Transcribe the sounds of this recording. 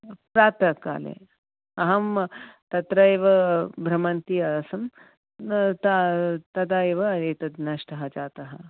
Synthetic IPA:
pɾaːt̪ɐka̰ːlḛː | ɐɦɐmt̪ɐt̪ɾɐeʋɐbʱɾɐmɐnt̪iɐɐsɐm | t̪at̪ɐd̪aːeʋɐɐɾeːt̪ɐd̪naʃʈɐɦɐd͡ʒaːt̪ɐɦɐ

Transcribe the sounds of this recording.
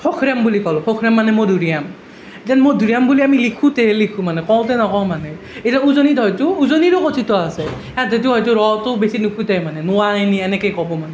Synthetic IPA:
pʰɔkʰɹambulikɔlkʰɔkʰɹamːanɛmodʱuɹijam | etanmodʱuɹijambuliamilikʰũtɛlikʰũmanɛkɔltɛnɔkɔmanɛ | etanuzonidʱɔjtʊːzoniɾʊkotʰitɔasɛ | adʱɔjt̬ʊɦɔjtʊɹɔtʊbesinukʰutɛjmanɛnʊwajniɛnɛkejkɔbɔmanɛ

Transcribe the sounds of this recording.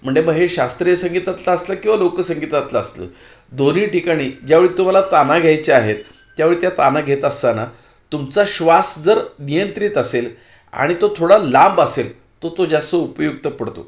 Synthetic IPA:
m̤əɳd͡zeməɡɦeɕast̪ɾijəsəŋɡit̪at̪laəsləkĩw̃ʋalokəsəŋɡit̪at̪laəslə̰ː | d̪oniːʈikaɽ̃iːd͡ʑjaʋeɭiːt̪um̤alat̪anaɡʱjajt͡ɕeaɦet̪ː | jaʋeɭiːt̪jat̪anaɡʱet̪əst̪ana | t̪umt͡saɕʋasd͡zəɾnijənt̪ɾit̪əsel | a̰ɽ̃it̪ot̪ʰoɽalambəsel | t̪ot̪od͡ʑjasəupəjuɡ̚t̪əpəɽt̪o̰

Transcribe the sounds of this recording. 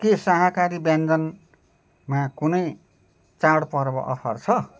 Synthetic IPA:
kesaɦakaɾibjãnd͡zʌn | makunʌj | t͡saɽpʌɾbʌ̰ʔʌ̰pʰʌrt͡sʰʌ

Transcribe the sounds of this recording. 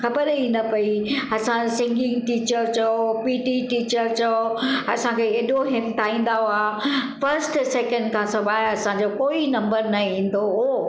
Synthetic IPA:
xɐbəɾinɐpɐiɐsãsɪ̃ŋɡɪ̃ŋɡʈiːt͡ɕəɾt͡ɕɐopiːʈiʈiːt͡ɕəɾt͡ɕɐoɐ̰sãkʰeeːɗoɦɪmt̪ʰaːĩːn̆d̪aɦoaːfɐɾsʈsɛːkə̃ɳɖkʰãsɐbaːɪɐsãɲd͡ʑokoːinɐ̃mbəɾnɐĩːn̆d̪oɦoː

